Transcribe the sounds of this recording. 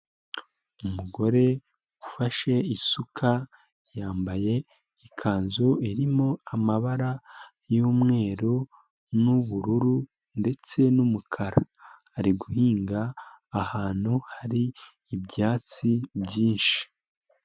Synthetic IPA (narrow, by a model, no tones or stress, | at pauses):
umuɡo̞ɾe̞ | ɡufaʃe̞isukʰa | jaːmbaje̞ | ikʰaːnzoiɾimo̞amaβaɾa | juːmŋe̞ːɾo | nuβuɾuɾu | nde̞t͡se̞numukʰaɾaː | ɾiɡuhiːŋɡaː | haːn̥huhaɾiː | bɟaːt͡sibjiːnʃi̥